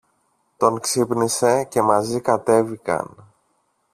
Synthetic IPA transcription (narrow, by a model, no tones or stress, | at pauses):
t̪o̞ŋksipnise̞ce̞mɐzikɐt̪e̞vikɐ̰n